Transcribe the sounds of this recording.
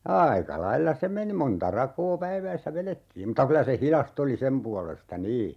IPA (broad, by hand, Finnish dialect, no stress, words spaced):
ɑːikɑ lɑilːɑ se meni montɑ rɑkoː pæiʋæisːæ ʋeletːiːm mutɑ kylæ se hilɑst oli sem puɑlestɑ niː